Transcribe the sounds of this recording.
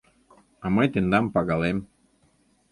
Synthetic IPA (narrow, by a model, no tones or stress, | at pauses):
ɑmɤjt̪end̪ɑmpɑɣɑlem